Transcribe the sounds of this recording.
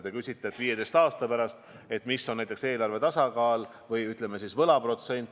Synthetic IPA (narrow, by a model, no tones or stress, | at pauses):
d̪ekysʲit̪ːˑet̪ːviːje̞d̪ejst̪ɑːst̪ɑpæɾɑst̪ | e̞t̪misːo̞nːæjt̪ekse̞ːlɑɾrve̞t̪ɑsɑkɑːl | vɤjyt̪ˑle̞mesisvɤlɑpro̞t̪se̞nʲt̪